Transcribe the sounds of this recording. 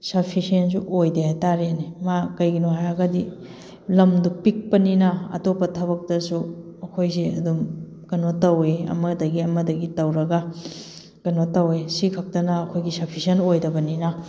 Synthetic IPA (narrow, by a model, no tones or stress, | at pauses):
sɐpʰisensuʔojdehajtaɾeenemakɐjɡinuɦajɐɡɐdi | lɐmdupik̚pɐninɐɐ̰topːɐtʰɐβɐk̚tɐsuɐkʰojzeɐ̰dum | kɐnotɐweɐ̰mɐdɐɡiɐmɐdɐɡitɐwɾɐɡɐ | kɐnotɐwesikʰɐk̚tɐnɐːkʰojɡisɐpʰisenojdɐbɐninɐ